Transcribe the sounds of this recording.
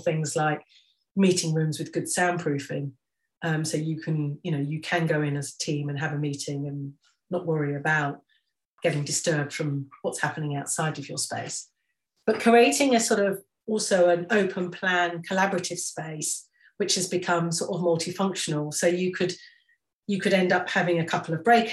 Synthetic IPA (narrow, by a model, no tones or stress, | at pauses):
θɪ̃ŋzlaɪk̚ | miˑtɪ̃ŋɹʉ̃mzwɨðɡʊd̥sãʊ̃npʰɹ̥ʉˑfɪ̰̃ŋ | ʔʌ̃msəʊjɨkʰə̃njɨnoʊjɨkʰə̃nɡəʊɪ̃nəzətʰĩːmə̃nəvəmiˑtʰɪ̃ŋə̃nː | əʔwʌɹiəbaʊt̚ | ɡ̥ɛɾɪ̃ŋdɪstɜ˞b̚d̥fɹə̃mwɒtshapənɪ̃ŋaʊtsaɪɾəvjəspeɪs | b̥ʌʔ̚kʰɹ̥ieɪɾɪ̃ŋəsɔˑɾʌv | ɔˑlˠsoəʊə̃nəʊpʰə̃npʰl̥æ̃nkʰəlabəɹətɪv̥speɪs | wɪt͡ʃhɨzbɨkʰʌ̃msɔɹɾəvmʌlˠtʰifʌ̃ŋkʃənəlˠsoʊjɨkʰɨd̥ | jɨkʰɨɾɛ̃ndʌphavɪ̃ŋɨkʰʌpl̩ˠəvbɹeɪk